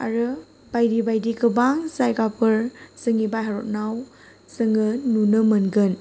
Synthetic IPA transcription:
a̰ɾɯ | b̥ajdibajdikɯbaŋsajɡapʰɯɾsɯŋibajɦaɾɔt̚naw | sɯŋɯnunɯmənɡɯn

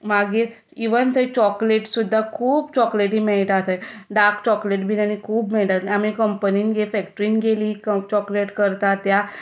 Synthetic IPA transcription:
maɡiːɾ | iʋənt̪ʰət͡ɕɔkleʈsud̪ʱːakʰuːbt͡ɕɔkleʈɦiːmeɭʈ̪at̪eɖakt͡ɕɔkleʈbʱinañikʰuːbmeɭʈ̪at̪amikəmpəniːnɡefɛkʈəɾiːnɡeliːkət͡ɕɔkleʈkəɾt̪at̪ja

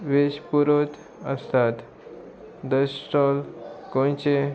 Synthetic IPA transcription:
ʋeɕpuɾot̪ | əst̪at̪ | d̪əsʈɔlkõnt͡ɕe

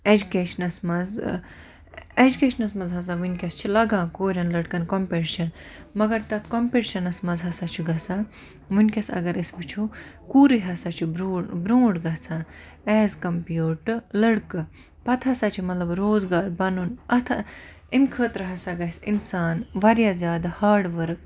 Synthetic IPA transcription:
ed͡ʒukeːʃɐnɐsmɐz | ed͡ʒukeːʃɐnɐsmɐnzɦɐs̬aːʋunʲkʲɐst͡ʃʰilɐɡãːkoːɾʲɐnlɐɽkɐnkompeːʈiʃɐnmɐɡɐɾt̪ɐt̪ʰkompeʈʃɐnɐsmɐzɦɐsat͡ʃʰuɡɐsãː | ʋunʲkʲɐsɐ̰ɡɐɾisbɨt͡ʃʰu | kuːɾɨɦɐsat͡ʃʰubɾuːbɾũːɖɡɐt͡sʰãː | ɛːzkɐmpjuːʈɨlɐɽkɨ | pɐt̪ʰɐsaːt͡ʃʰimɐt̪lɐbɾoːzɡaːɾbɐnunɐt̪ʰa | imkʰəːt̪ɾɐɦɐsaɡɐsinsaːnʋɐɾjaːzʲjaːd̪ahaːɾɖʋɐɾk

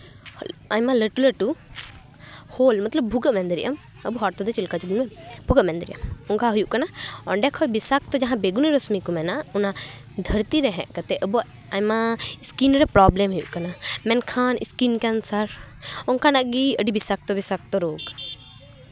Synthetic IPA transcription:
hɔlajmaləʈuləʈu | hoːlmɐt̪ləb̚ʱːuɡəmɛ̃nd̪əɾiʔəm | əbuɦaɾt̪ɔd̪ɔt͡ʃilkat͡ʃubunmɛbʱuɡəʔmɛ̃nd̪əɾḭʔə̰mɔŋkaɦujuʔkanaɔ̰ɳɖɛkʰɔjbisak̚t̪ɔd͡ʒaɦãbeɡuniɾɔsmikumɛnauna | d̪ʱəɾt̪iɾɛɦɛ̰̃ʔkət̪ɛʔəbu | ajmaiskinɾɛpɾablɛmɦujuʔkanamɛnkʰaːnḭskinkɛnsəɾ | ɔŋkanaʔɡiəɖibisak̚t̪ɔbisak̚t̪ɔɾoːɡ

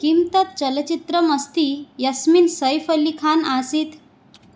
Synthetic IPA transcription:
kimt̪ət̪̚t͡ɕəlt͡ɕit̪ɾəməst̪iːjəsminsəjfəlːikʰanasiːt̪

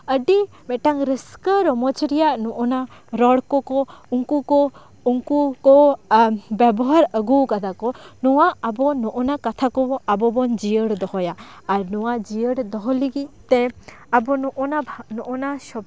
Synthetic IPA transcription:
əɖi | mɛʈaŋɾəskəɾɔmɔt͡ʃɾijaʔnɔʔɔnaɾɔɽkɔkɔuŋkukɔ | uŋkukɔ | bɛbɔɦaɾəɡukad̪akɔnɔwaabɔnɔʔɔnakat̪ʰakɔabɔbɔnd͡ʒijəɽd̪ɔɦɔjaːɾnɔwad͡ʒijəɽd̪ɔɦɔliɡic̚t̪ɛabɔnɔʔɔnanɔʔɔnaʃɔ

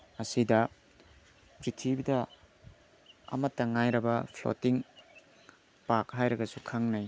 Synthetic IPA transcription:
ɐsidɐ | pɾitʰibidɐ | ɐ̰mɐtːɐŋajɾɐbɐpʰlo̰tiŋ | pak̚ɦajɾɐɡɐsukʰaŋnaj

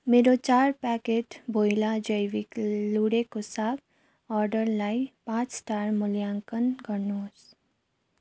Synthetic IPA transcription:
meːɾot͡ʃaːɾpɛːkeːʈboːjlad͡ʒəjʋikluːɽekosaːk | ɔːɾɖəɾlaːipãːt͡ʃsʈaːɾmʊljãːŋkənɡənoːs

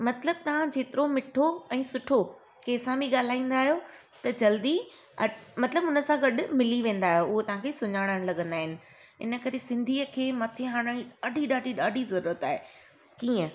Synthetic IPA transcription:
mɐt̪ləb̚t̪ɐʋ̤ãd͡ʑeːt̪ɪɾomɪʈʰoɛ̃ːsʊʈʰo | keːsãbiɠaːl̤aːĩːn̆d̪aːɦijo | t̪ɐd͡ʑɐld̪i | ɐmɐt̪ləbʊnə̆sãɡɐɗʊ̆mɪliʋẽːnd̪aːɦijoʊɦot̪ɐʋ̤ãkʰeːsʊɲaːɽ̃əɽ̃lɐɠə̃nd̪aːɦɪnɪ̆ | ɪ̰nə̆kɐɾesɪ̃nd̪ʱiːəkʰeːmɐt̪ʰeɦaːɽ̃əɽ̃iɐɖʱiɗaːɖʱiɗaːɖʱizɐɾuːɾət̪aːɦe | kiːə̃

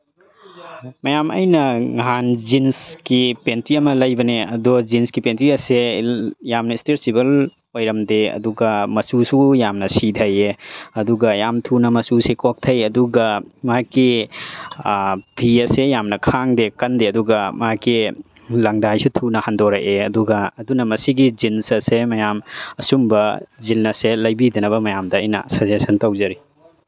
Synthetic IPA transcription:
mɐjamɐ̰jnɐŋɦanzinskipentɾiɐmɐlɐjbɐneɐdɔzinskipentɾiɐsejamnɐisteɾsibɐl | ojɾɐmdeɐ̰duɡɐmɐsusujamnɐsidʱɐjeɐduɡɐjamtʰunɐmɐsusekok̚tʰɐjɐduɡɐmɐɦakːi | bʰʱiɐsejamnɐkʰaŋdekɐndeɐduɡɐmɐɦakːi | lɐŋdajsutʰunɐhandoɾɐʔeɐduɡɐːdunɐmɐsiɡizinsɐsemɐjamɐsumbɐzilnɐselɐjbidɐnɐβɐmɐjamdɐːjnɐ̰sɐsesʰɐntɐwzɐɾi

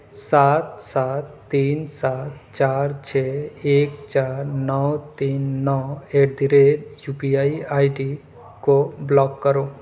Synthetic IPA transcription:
sat̪sat̪ːiːnsat̪t͡ʃaɾt͡ʃʰɛekt͡ʃaːɾnɔwt̪iːnːɔweʈd̪iɾedjupiaiajʈi | koblɔːkːəɾo

